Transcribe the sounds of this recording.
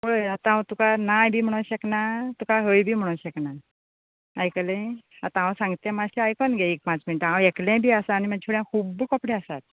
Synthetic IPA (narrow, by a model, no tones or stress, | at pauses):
moɭəjat̪ãat̪ukanajbʱiːm̤əɽ̃əwɕəknat̪ukaɦəjbʱiːm̤əɽ̃əwɕəkna | ajkəlẽa̰t̪ããsãŋɡt̪ɛ̃mad͡ʑt̪eajkɔnɡʱeek̚pãt͡sminiʈãweklɛ̃bʱiːasaːnimad͡ʑʰuɽjãkʰuːbkɔpɽeasat̪̚